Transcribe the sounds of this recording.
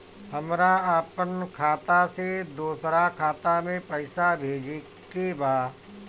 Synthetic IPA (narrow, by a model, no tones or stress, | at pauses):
həmɾaəpənkʰaːt̪ased̪uːsɾakʰaːt̪amẽpɐɪsabʱeːd͡ʒe | kebaː